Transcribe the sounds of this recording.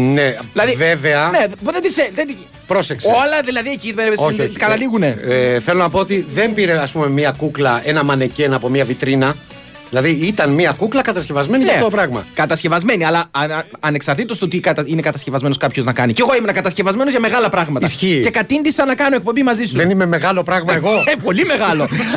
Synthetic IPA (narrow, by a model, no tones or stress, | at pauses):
neilɐðive̞ve̞ɐnepðed̪iθeðed̪ | pɾo̞sekso̞lɐðilɐðiecipeɾeoçekɐt̪ɐliɣune̞eθelonɐpo̞ot̪iðe̞mpiɾeɐspume̞miɐkuklɐe̞nɐmɐne̞cenɐpo̞miɐvit̪ɾinɐ | ðilɐðiit̪ɐnmiɐkuklɐkɐt̪ɐsce̞vɐzme̞nineoopɾɐɣmɐ̰kɐt̪ɐsce̞vɐzme̞niɐlɐɐne̞ksɐɾt̪it̪o̞st̪ot̪ikɐt̪ɐine̞kɐt̪ɐscevɐzme̞noskɐpçoznɐkɐniceɣo̞imenɐkɐt̪ɐscevɐzme̞nozʝɐme̞ɣɐlɐpɾɐɣmɐt̪ɐsçice̞kɐt̪ind̪isɐnɐkɐnoek̚po̞mbimɐzist̪uðenime̞me̞ɣɐlo̞pɾɐɣmɐeɣo̞po̞lime̞ɣɐlo̞